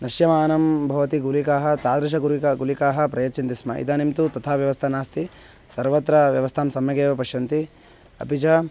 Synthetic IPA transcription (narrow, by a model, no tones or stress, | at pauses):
nɐʃjɐmaːnɐmbʱɐʋɐt̪iɡulikaːɦɐt̪aːd̪ɾɐʃ̬ɐɡuɾikɐɡulikaːɦɐ̆pɾɐjɐt͡ʃint̪ismɐ̰ʔḭd̪ɐːnimt̪ut̪ɐt̪ʰaːʋjɐʋɐst̪ʰɐnaːst̪i | sɐɾʋɐt̪ɾɐʋjɐʋɐst̪ʰaːmsɐmjɐɡeːʋɐpɐʃjɐnt̪i | ɐ̰pid͡ʒɐ